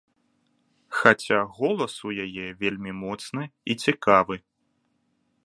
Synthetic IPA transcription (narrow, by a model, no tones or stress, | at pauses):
xat͡sʲaɣɔlˠɐsujajɛvʲelʲmʲimɔt̪snɨit͡sʲikavɨ